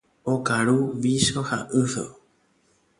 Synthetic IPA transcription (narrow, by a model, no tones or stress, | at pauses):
okaɾuʋiʃoha̰ʔɨso̰